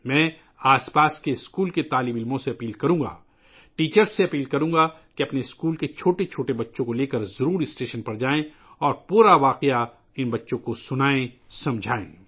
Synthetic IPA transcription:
mɛ̃ː | aːspaːskeɪskuːlket̪aːlibɪlmõseɐpiːlkɐɾũːɡa̰ː | ʈiːt͡ʃəɾsːeɐpiːlkɐɾũːŋɡa | keɐpneɪskuːlket͡ʃʰoːʈet͡ʃʰoːʈebɐtːʃõkoleːkɐɾzɐɾuːɾɪsʈeːʃənpɐɾd͡ʒaːẽ | ɔːɾpuːɾaʋaːqeja | ɪnbɐtːʃõkosʊnaːẽ | sɐ̃md͡ʒʱaːḛ̃ː

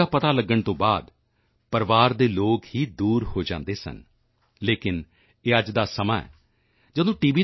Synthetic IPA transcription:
aːpət̪aːləɡːəɳt̪õːbaːd̪ | pəɾʋaːɾd̪eːloːkhiːd̪uːɾhoːd͡ʒã̰ːnd̪eːsə̰n | leːkɪn | eːəd͡ʒd̪aːsəmaːɛ̰ː | d͡ʒəd̪õːʈiːʋiː

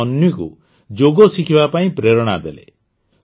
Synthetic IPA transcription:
ɔnjikṵ | d͡ʒoɡɔsikʰibapaĩpɾeɾɔɽ̃ad̪elḛ

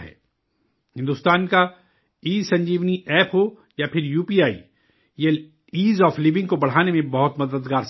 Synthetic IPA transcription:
ɦɛ̰ː | hɪ̃nd̪ʊst̪aːnka | iːzsɐ̃ɲd͡ʒiːʋniʔɛːpɦo | japʰɪɾjuːpiːaːḭ | je | iːzɔːflɪʋɪ̃ŋɡ̚kobɐɽ̤aːnemẽbɐɦʊt̪mɐd̪əd̪ɡaːɾs

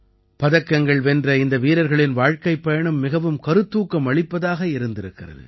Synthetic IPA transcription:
pɐðɐkːɐŋɡɐɭʋɛndrɐɪnd̪ɐʋiːɾɐɾɣɐɭɪnʋaːɻkɐɪpːɐjɐɳɯmːɪɣɐʋɯmkɐɾɯt̪ːuːkːɐmɐɭɪpːɐðaːɣɐɪɾɯnd̪ɪɾɯkːɪrɐ̰ðɯ̰

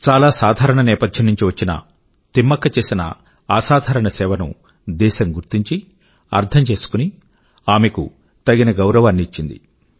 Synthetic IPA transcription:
t͡ʃaːlaːsaːd̪ʱaːɾɐɳɐnɛːpɐd̪ʱjɐmnuɲt͡ʃiʋɐt͡ʃːinɐ̰ | t̪imːɐkːɐt͡ʃe̞ːsinɐ̰ | aːsaːd̪ʱaːɾɐɳɐsɛːʋɐnṵ | d̪ɛːʃɐmɡuɾt̪iɲt͡ʃi | ɐ̰ɾt̪ʰɐmt͡ʃe̞ːsu̥kuni | aːmekṵ | t̪ɐɡinɐɡɐwɾɐʋaːnːiːt͡ʃːind̪ḭ

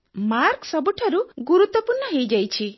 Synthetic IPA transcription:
maɾksɔbuʈʰaɾuɡuɾut̪ːɔpuɾnɔɦejd͡ʒajt͡ʃʰi

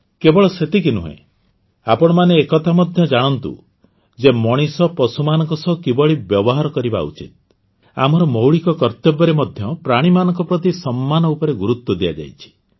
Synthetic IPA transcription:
kebɔɭɔset̪ikinṵɦḛ̃ | apɔɽ̃ɔmaneːkɔt̪ʰamɔd̪ʱjɔd͡ʒaɽ̃ɔnt̪ṵ | d͡ʒemɔɽ̃isɔpɔsumanɔ̃ŋkɔsɔɦkibɔɭibjɔbɔɦaɾɔkɔɾiba̰ṵt͡ʃḭt̪̚ | a̰mɔɾɔmɔwɭikɔkɔɾt̪ɔbɔɾemɔd̪ʱjɔpɾaɽ̃imanɔŋkɔpɾɔt̪̬isɔmːanɔupɔɾeɡuɾut̪wɔd̪ija̰d͡ʒa̰jt͡ʃʰi̥

